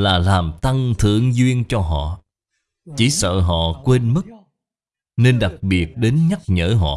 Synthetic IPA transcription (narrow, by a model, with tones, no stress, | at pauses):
laː˨˩laː˨˩mt̪a˧ŋt̪ʰɨ̰˧˨əŋzwi˧ənt͡ɕɔ˧ɦɔ̰˧˨ | t͡ɕi˧˩˦sə̰ː˧˨ɦɔ̰˧˨kwe˧nmɨ˦˥k̚ | ne˧nɗa˨˩k̚ɓi˨˩ət̚ɗe˨˦nɲa˦˥t̚ɲəː˧˥ɦɔ̰˧˨